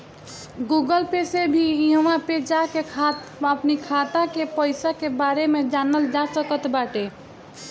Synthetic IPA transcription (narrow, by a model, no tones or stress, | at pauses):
ɡuɡəlpesebʱiiɦəmaped͡ʒakekʰat̪ | əpnikʰat̪akepəɪsakebaɾemed͡ʒanəld͡ʒasəkət̪baʈe